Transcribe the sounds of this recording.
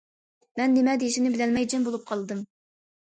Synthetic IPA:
mɛnːemɛd̪eʃinɪbɪlɛlmɛjd͡ʒɛnbolˠup̚qʰɑlˠɨd̪ɨm

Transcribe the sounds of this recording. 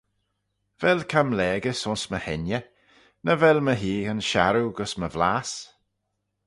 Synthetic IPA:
vɛlkʰamlɛːɡəsʊnsməhɛnjə | nəvɛlməɦiːənʃa̰ɾuɡəsməvlaːs

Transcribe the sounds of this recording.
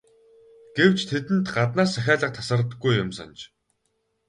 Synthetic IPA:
ɡ̥ew̥t͡ɕt̪ʰet̪ɘ̆nt̪ɢat̪naːsæxʲaːɮə̆q̚t̪ʰasə̆rt̪ə̆ɡujʊmsɔ̰nt͡ɕ

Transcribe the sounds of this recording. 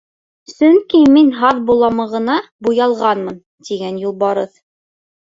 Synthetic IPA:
sɵŋkiminɦɑðbulˠɑmɤʁɤ̆nɑbujɑlˠʁɑnmɤn | t̪iɡænjulˠbɑɾɤθ

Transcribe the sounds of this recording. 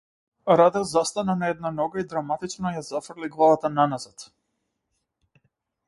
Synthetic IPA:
ɾad̪ɛzast̪ananaɛd̪̚nanɔɡaid̪ɾamat̪it͡ʃnɔjazafr̩liɡlˠavat̪ananazat̪

